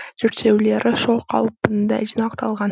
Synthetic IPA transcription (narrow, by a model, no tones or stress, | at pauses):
d͡ʒeɾt̪ʃe̞wle̞ɾʔɪʃoqʰɑ̰lˠpɯnd̪ɑ̰d͡ʒinɑqt̪ʰɑlˠʁɑn